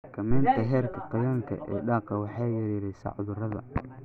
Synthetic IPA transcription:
kʰɐmɛːnt̪ʰɐɦɛːrkʰɐqɑjɐːŋkʰɐ̰ʔɛ̰ːɖaːqʰɐwɑħɑːjɛɾɾɛjsɐ̰ʕʊðʊrɐðɐ̰

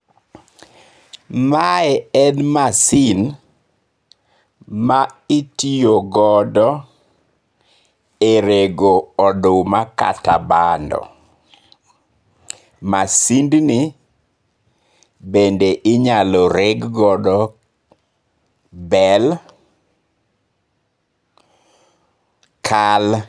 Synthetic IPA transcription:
maɛɛnmasin | maitijoɡɔdɔ | eɾeɡoɔdomaka̰ta̰bandɔ̰ | masindni | bendeʔɪɲalɔɾeɡɡɔdɔ | bɛl | kʰal

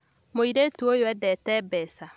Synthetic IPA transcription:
moiɾetuojoɛdɛtɛbɛsa

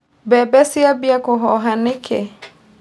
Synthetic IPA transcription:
bɛbɛsiabiakʊɦɔɦanɪkʰɛ

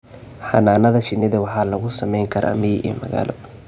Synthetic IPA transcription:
ħɑ̰naːnɐðɐʃɪnːɪðɐwɑħɑːlɐɣʊsɐmɛjŋkʰɐɾʔɐ̰mɪjʔɛ̰ːmɐɣa̰ːlɔ̰

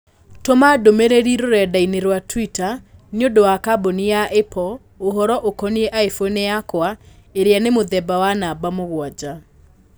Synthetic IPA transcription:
tomadomeɾeɾiɾoɾɛdaineɾwatwitaniodowakabonijaʔepɔ | oɦɔɾɔʔokɔniɛʔaifoneakwaeɾeanemoðɛbawanabamoɣwad͡ʑa

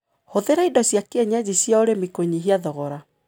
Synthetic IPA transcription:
hoðeɾaidɔsjakeɛɲad͡ʑisjaoɾemikoɲiɦiaðɔɣɔɾa

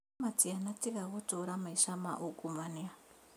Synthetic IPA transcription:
mat͡sianat͡siɡaɣot͡ʃoɾamaiʃamaʔukʼumanea

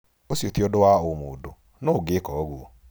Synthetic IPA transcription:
osiotiɔdowaomodo | noɡekɔɣuo

